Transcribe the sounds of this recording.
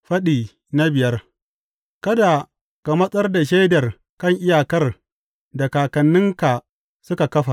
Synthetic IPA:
ɸɐ˦ɗiː˨ | na˦bɪ˨jɐ˦r | kɐ˦da˨ | ka˨mɐ˦sʼɐ˦rda˨ʃ̬e˦dɐ˨r | kɐ˦˨ŋʔɪ˦jaː˨kɐ˦r | da˨kaː˨kɐ˨nːɪ˦ŋka˨ | sʊ˦ka˨kɐ˦ɸa˨

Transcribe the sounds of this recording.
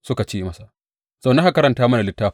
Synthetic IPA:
sʊ˦ka˨t͡ʃeː˦mɐ˦sa˨ | z̥ɐ˨nɐ˦ŋha˦kɐ˦ɾɐ˨ntaː˦mɐ˦na˨lɪ˦tːaː˦

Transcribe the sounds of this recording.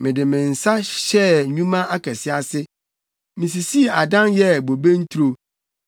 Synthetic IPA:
mɪ̃˨dɪ˨mɪ̃˨n̩˨sa˦ɕɛ˦ɲũ˦mã˦ʔa˦kʰɛ˨sɪ˦a˦sɪ˦ | mĩ˨s̬i˨si˦˨a˨dã˦njɛ˦bo˨bẽ˦n̩˦t̪ʰu˦ɾo˨

